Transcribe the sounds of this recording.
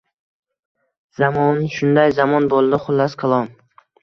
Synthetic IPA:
z̥amɒnʃʊnd̪ajzamɒnbolˠd̪ɪχʊlˠːasqʰɨlˠɒm

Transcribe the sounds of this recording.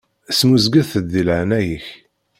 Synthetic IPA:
smuzɡəθəd̪ːilʕnæjəç

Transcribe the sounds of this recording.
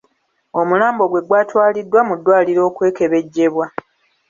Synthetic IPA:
o̞mulaːmbo̞ɡwe̞ɡwaːtwaːlidːwamudːwaːliɾo̞ːkwe̞ːke̞βe̞ɟːe̞βwa

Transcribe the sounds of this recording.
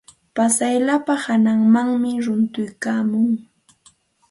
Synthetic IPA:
pasajlapahanaŋmaŋmɪɾʊnt̪ʊjkaːmʊŋ

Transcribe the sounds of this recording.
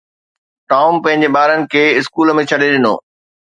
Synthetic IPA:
ʈaːʊmpɐ̃ɦɪ̃ɲ̆d͡ʑeɓaːɾənɪ̆kʰeːɪskuːləmẽt͡ɕʰɐɗeɗɪno̰ː

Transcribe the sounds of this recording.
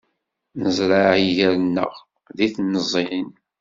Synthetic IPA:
nəzˤɾaʕiʝəɾənːə̰ʁ | ðiθnəzˤːin

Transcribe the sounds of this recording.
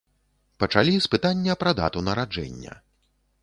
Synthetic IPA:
pɐt͡ʂalʲispɨt̪anʲːɐpɾɐd̪a̰t̪unɐɾad͡ʐɛ̰nʲːɐ̰

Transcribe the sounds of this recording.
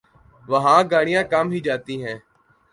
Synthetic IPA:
ʋəɦãːɡaːɽ̃ɪjãːkəmɦiːd͡ʒaːt̪iːɦɛ̃ː

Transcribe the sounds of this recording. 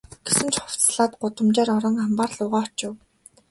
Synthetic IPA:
ɡ̥esɘ̆nt͡ɕχʊw̥t͡sɮaːt̪̚ɢʊt̪ə̆mt͡ɕaːɾɔɾɞ̆ŋampaːrɮʊːʁaːt͡ɕʊ̆w

